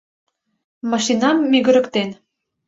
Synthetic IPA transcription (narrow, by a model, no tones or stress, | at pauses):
mɑʃinɑmːyɣə̆ɾə̆kt̪en